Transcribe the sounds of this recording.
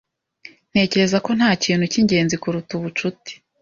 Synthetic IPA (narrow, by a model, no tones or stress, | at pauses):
n̥he̞ːce̞ɾe̞zako̞n̥haːciːnhuciɲɟe̞ːnzikuɾutuβut͡ʃuti̥